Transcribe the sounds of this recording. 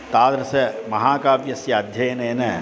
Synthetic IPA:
t̪aːd̪ɾɐsɐmɐɦaːkaːpjɐsjɐɐd̪ʱjɐjneːneː

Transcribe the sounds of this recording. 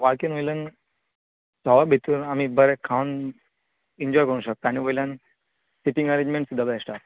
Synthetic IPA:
ʋaɭkinojlən | sɔʋabʱit̪uːnam̤ibəɾɛkʰaun | iɲd͡ʑɔjkəɾ̃ũɕək̚t̪aaɽ̃iʋojlan | siʈĩŋɡəɾẽɲd͡ʑmẽɳʈsud̪ʱabaasʈat̪

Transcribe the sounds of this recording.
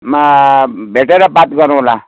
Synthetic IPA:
mabʱeʈeɾabat̪ɡʌɾũla

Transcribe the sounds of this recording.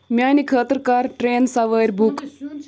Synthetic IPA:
mʲjaːnikʰəːt̪ɾkaːɾʈɾeːnsɐʋəɾʲbuk

